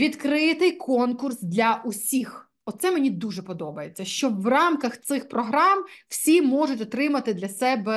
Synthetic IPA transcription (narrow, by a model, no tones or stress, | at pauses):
ʋʲid̪kɾɪt̪ɪjkʰɔnkʊrsd̪lʲɐʔʊsʲix | ɔt̪sɛmenʲid̪uʒɛpɔd̪ɔbɐjet͡sʲːɐʃt͡ʃɔʋrɑmkɐxt̪sɪxpɾɔɦɾɑmw̥sʲimɔʐʊtʲɔt̪ɾɪmɐt̪ɪd̪lʲɐsɛbɛ